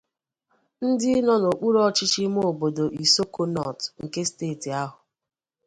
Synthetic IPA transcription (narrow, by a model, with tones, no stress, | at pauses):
n̩˦dɪ˦nɔ˦no˨k͡pu˦ɾɔ˦t͡ʃɪ˦t͡ʃi˦m˦o˨bo˨do˨ʔi˨so˦ko˦nɔ˨tŋ̩˨ke˦steː˦˨ti˨a˦ɦʊ˨